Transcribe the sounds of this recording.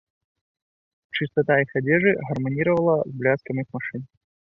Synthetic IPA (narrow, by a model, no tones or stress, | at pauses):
t͡ʃɨst̪ɐt̪aixɐd͡zʲeʐɨɣɐrmɐnʲiɾəvɐlˠɐzblʲaskɐmɨxmɐʂɨn